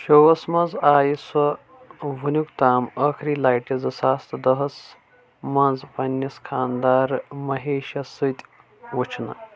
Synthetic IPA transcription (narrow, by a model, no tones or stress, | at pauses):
ʃowɐsmɐnzaːjiswɐ | ʋunʲukt̪aːmɐkʰɾiːlaːjʈizɨsaːst̪d̪ɐɦɐs | mɐnzpɐnʲːɐskʰaːnd̪aːɾmɐɦeːʃɐsɨt̪ʲ | ʋut͡ʃʰnɐ̰